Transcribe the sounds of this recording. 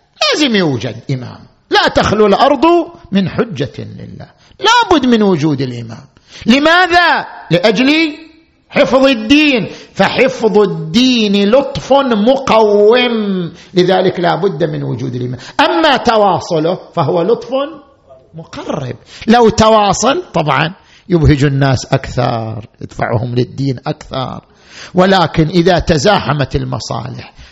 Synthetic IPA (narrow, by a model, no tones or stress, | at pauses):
laːzɪmjuːd͡ʒa̰d̪ʔɪma̰ːm | lat̪axlulʔɑɾˤðˤmɪnħʊd͡ʒːalɪ̰lːa̰ː | laːbʊd̪ːmɪnwʊd͡ʒuːd̪ɪlʔɪ̰ma̰ːm | lɪmaːðalɪʔad͡ʒli | ħɪfðˤɪd̪ːiːnfaħɪfðˤɪd̪ːiːnilʊt̪ˤfnmʊqawːɪmlɪðaːlɪklaːbʊd̪ːmɪnwʊd͡ʒṵːd̪ɪlʔɪmːaʔamːat̪ɑwɑːsˤʊlʊfaɦʊwːalʊt̪ˤfʊn | mʊqɑrːɪ̰b̚lawt̪awɑːsˤɑlt̪ˤɑbʕɑ̰n | jɪbhɪd͡ʒunːaːsʔakθɑ̰ɾˤjɪ̰d̪̥fa̰ʕṵːhʊmlɪd̪ːiːnʔakθɑ̰ɾˤ | wɪlaːkɪnʔɪðat̪azaːħamat̪ɪlmɑ̰sˤɑ̰ːlɪ̰ħ